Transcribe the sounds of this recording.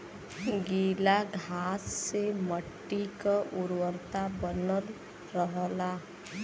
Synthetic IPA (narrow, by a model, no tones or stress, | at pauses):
ɡiːlaɡʱaːsːeməʈːikaʔʊɾwəɾt̪abənəl | ɾəɦəla